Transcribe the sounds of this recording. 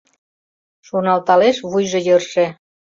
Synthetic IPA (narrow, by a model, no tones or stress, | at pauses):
ʃonɑlt̪ɑleʃβujʒɤ̆jɤ̆rʃĕ